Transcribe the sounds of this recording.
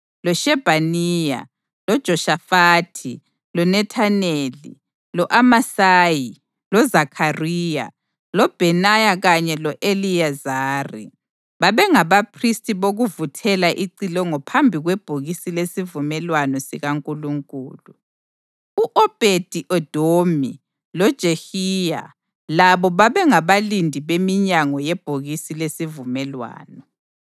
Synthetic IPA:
lɔʃɛb̥ʱaniːja̰ | lɔd̥ʒ̥ʱɔʃafaːtʰi | lɔnɛtʰanelḭ | lɔʔamasaːji | lɔzakʰariːja̰ | lɔb̥ʱɛnajaɣaɲɛlɔʔeliazaːrḭ | βaβɛŋaβapʰristʼiβoɣuvutʰɛlaʔiǀilɔŋɔpʰambʱiɣwɛb̥ʱoɣisilesivumɛlwanɔsiɣaŋkʼuluŋkʼuːlu | uʔɔb̥ʱed̥ʱiʔɔd̥ʱomi | lɔd̥ʒ̥ʱehija̰ | laβɔβaβɛŋaβalindʱiβemiɲaŋɔjɛb̥ʱoɣisilesivumɛlwa̰ːnɔ

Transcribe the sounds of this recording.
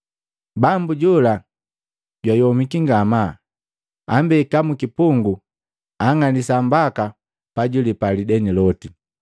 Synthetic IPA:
bambuɟɔla | ɟwajɔmikiŋɡama | ambɛkamukipuŋɡu | aŋanisambaka | paɟulipalidɛnilɔti

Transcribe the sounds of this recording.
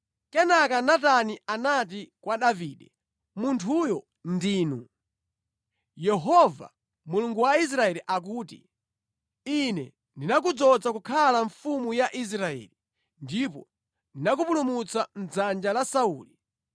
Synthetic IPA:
kɛnakanatanianat̬ikwaɗaviːɗɛ | muntʰujɔ | ndiːnu | jɛɦɔva̰ | muluŋɡuwais̬ɾaɛliʔak̬uːtḭ | inɛ̰ | ndinak̬ud͡zɔd͡zakukʰalaɱfumujaʔis̬ɾaɛ̰ːli | ndipɔ | ndinak̬upulumut͡sam̩d͡zand͡ʒalasauːli

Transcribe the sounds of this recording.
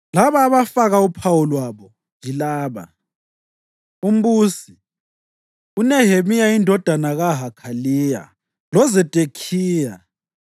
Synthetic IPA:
laβaːβafaɣaupʰawulwaβɔ | nd͡ʒʱilaːβa̰ | um̩βuːsi | unɛɦemijaindʱɔd̥ʱanaɣaɦakʰaliːja̰ | lɔzɛd̥ʼʱekʰiːja

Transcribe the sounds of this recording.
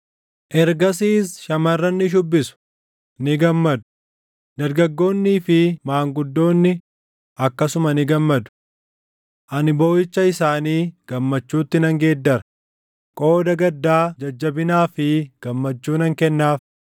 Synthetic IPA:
ʔɛɾɡɐs̬iːsʃɐmɐrːɐnːɪʃ̬ʊbːɪsʊ̥ | nɪɡɐmːɐd̪ʊ̥ | d̪ɐɾɡɐɡːo̞ːnːiːfɪmaːŋɡʊd̪ːo̞ːnːɪ | ʔɐkːɐsʊmɐnɪɡɐmːɐd̪ʊ̥ | ʔɐnɪboːjɪt͡ʃːɐɪsaːniːɡ̥ɐmːɐt͡ʃːuːt̪ːɪnɐŋɡe̞ːd̪ːɐɾɐ | kʼo̞ːd̪ɐɡɐd̪ːaːd͡ʒɐd͡ʒːɐbɪnaːfɪɡ̥ɐmːɐt͡ʃːuːnɐŋkɛnːaːf

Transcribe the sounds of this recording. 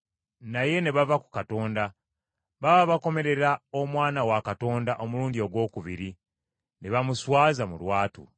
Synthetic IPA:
naje̞ne̞βavaku̥kato̞ːnda | βawaβako̞me̞ɾe̞ɾaomwaːnawakato̞ːndaʔo̞muɾuːnɟioɡwo̞ːkuβiɾi | ne̞βamuswaːzamṵlwaːtṵ

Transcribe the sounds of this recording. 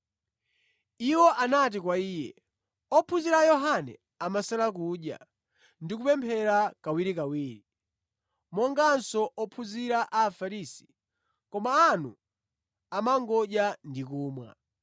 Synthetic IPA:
iwɔʔanat̬ikwaiːjɛ̰ | ɔpʰuziɾajɔɦanɛ̰ | amasalak̬uɗja̰ | ndik̬upɛmpʰɛɾakawiɾikawiːɾi | mɔŋɡansɔʔɔpʰuziɾaʔafaɾisi̥ | kɔmaːnu | amaŋɡɔʄjandikuːmwa̰

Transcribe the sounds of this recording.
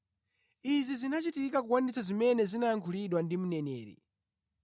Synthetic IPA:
izizinat͡ʃitikakukwandisazimɛnɛzinajaŋkʰuliɗwandimunɛnɛːɾḭ

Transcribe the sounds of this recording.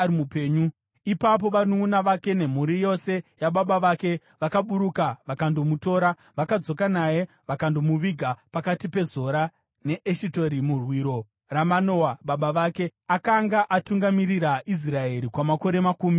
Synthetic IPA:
ɾimupeːɲu | ipap̬o̞ʋanoːnaʋake̞ne̞m̤uɾijo̞se̞jaɓaɓaʋake̞ | ʋakaɓuɾukaʋakando̞muto̞ɾa | ʋakad͡zo̞kanaje̞ | ʋakandomuʋiɡʱapakatipe̞zo̞ɾa | ne̞ʔeʃito̞ɾimurwiːɾo̞ | ramano̞waɓaɓaʋake̞akaŋɡaʔatuŋɡamiɾiɾaʔis̬rae̞ɾikwamako̞ɾe̞makuːmi

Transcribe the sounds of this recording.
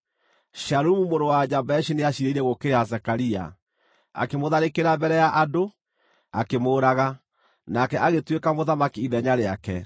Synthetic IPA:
ʃaɾumumoɾowad͡ʒabɛʃineaʃiɾeiɾɛɣokeɾeasɛkaɾia̰ | a̰kemoðaɾekeɾabɛɾɛjaʔado | akemoːɾaɣa | nakɛʔaɣetwekamoðamakiiðɛɲaɾeakɛ̰

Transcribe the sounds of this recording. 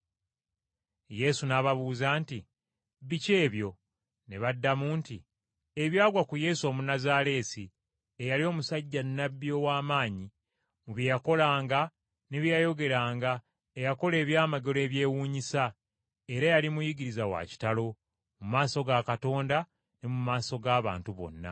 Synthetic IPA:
je̞sunaβaβuːzaːnti | βice̞ːβjo̞ | ne̞βadːamuːntḭ | e̞βjaːɡwakuje̞so̞ːmunazaːle̞ːsi | ejalio̞ːmusaɟːanːabːjo̞waːmaːɲi | muβjijako̞laːŋɡa | neβjjajo̞ɡe̞ɾaːŋɡa | ejako̞le̞ːβjaːmaɡe̞le̞ːβje̞ːwuːɲisa | e̞ɾajalimujiɡiɾizawa̰ci̥talo̞ | mumaːso̞ɡakato̞ːnda | ne̞mumaːso̞ɡaːβa̰ːntuβo̞̰nːa̰

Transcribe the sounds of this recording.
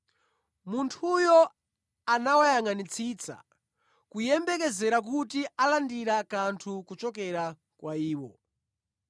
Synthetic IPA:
muntʰujɔ | anawajaŋanit͡sʰiːt͡sʰa̰ | kujɛmbɛk̬ɛzɛɾak̬utialandiɾakantʰukut͡ʃɔkɛɾa | kwʔaiːwɔ

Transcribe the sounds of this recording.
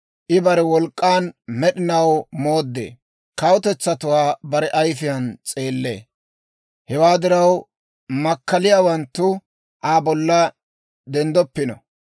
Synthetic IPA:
ʔɪbɐɾɛwɔlkʼːaːnmɛɗɪnɐwmo̞ːd̪ːḛː | kɐwʊt̪ɛt͡sːɐt̪ʊwaːbɐɾɛʔɐjfɪjɐnt͡sʼe̞ːlːḛː | hɛwaːd̪ɪɾɐw | mɐkːɐlɪjaːwɐnt̪ːʊ | ʔaːbɔlːɐ | d̪ɛnd̪ɔpːɪnɔ̰

